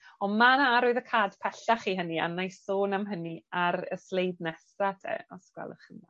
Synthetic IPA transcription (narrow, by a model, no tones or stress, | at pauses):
ɔmanaɾoːɨðəkʰaːd̥pʰɛɬaχiːɦənia̰najsoːnamɦəniaɾəslˠejdnɛsatʰɛ̰ɔsɡ̥wɛ̰lˠə̰χəna